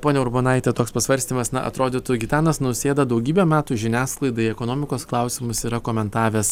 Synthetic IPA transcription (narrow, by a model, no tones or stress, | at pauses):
poːnʲɛʊɾboːnɐɪt̪ʲɛt̪oːkspɐsʋɐɾʲsʲt̪ʲimɐsnɐ̰ʔɐ̰t̪ɾoːd̪ʲɪt̪ʊɡʲɪt̪ʲɑːnɐsnʊsʲeːd̪ɐd̪ɐʊɡʲiːbʲɛmʲæːt̪uːʒʲɪnʲæːsklˠɐɪd̪ɐiɛkoːnoːmʲɪkoːsklˠɑʊsʲɪmʊsiːɾɐkoːmʲɛnt̪ɑːʋʲeːs